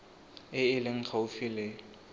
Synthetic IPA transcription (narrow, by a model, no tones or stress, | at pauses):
ɪɪlɪŋ̩χʰaʊfɪlɪ